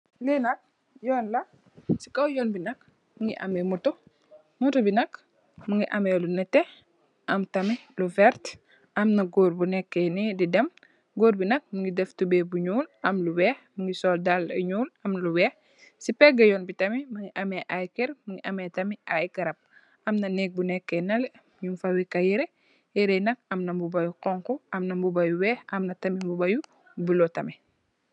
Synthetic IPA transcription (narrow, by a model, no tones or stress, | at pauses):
linɐk̚ | jɔːnlɐk̚ | si̥kɐwjɔːnbinɐk̚ | muŋɡḭʔɐ̰mɛmutu | mutubinɐk | mɐŋɡiʔɐmelunɛtːe | ʔɐmtɐmiluvɛɾt | ɐmnɐɡoːɾbunɛkːenididɛm | ɡoːɾbinɐk̚muŋɡidɛftubebuɲuːlɐmluwɛhmɐŋɡisɔːldalɐɲuːlɐmluwɛːx | sipɛɡɐjɔːnbitɐmimɐŋiʔɐmɛʔajkɛɾmɐŋiʔɐmɛtɐmiʔajɡɐɾɐp̚ | ʔɐmnɐnɛk̚bunɛkːɛnɐlmɲumfɐwikɐjɛɾɛ | jɛɾɛjnɐk̚ɐmnɐmbubɐjuqɔŋkɔʔɐmnɐmbubɐjuwɛːxɐmnɐtɐmimbubɐju | bulɔtɐmi